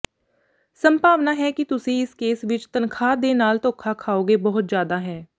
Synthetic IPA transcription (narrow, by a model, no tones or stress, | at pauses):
səmpaːʋnaːɦɛːkɪt̪ʊsĩːɪskeːsʋɪt͡ʃt̪ənkʰaːd̪eːnaːlt̪õːkʰaːkʰaːoːɡeːbɔɦʊt̪zjaːd̪aːɦɛː